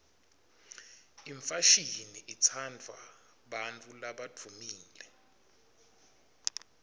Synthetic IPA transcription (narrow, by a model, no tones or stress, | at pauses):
iɱfaʃiniʔit͡sʰandʱwa̰ | ɓant͡fʰʼulaɓatʰumiːlɛ